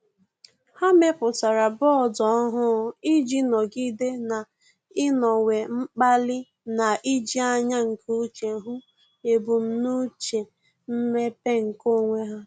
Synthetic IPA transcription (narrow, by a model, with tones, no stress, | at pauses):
ha˦me˦pʊ˨ta˨ɾa˨bɔ˦ɔ˨dɔ˨˦ɦʊ˦i˦d͡ʒi˦nɔ˨ɡi˦de˦na˨ | ɪ˦nɔ˨we˨ŋ͡m̩˦k͡pa˦lɪ˦ | na˨ʔi˦d͡ʒi˦a˦ɲa˦ŋ̩˨kʰu˦u˦t͡ʃe˨ɦu˦ | e˨bʊ˨m̩˦nu˦t͡ʃe˨ | m̩˦me˦pe˦ŋ̩˨ko˦˨ŋʷe˦ɦa˦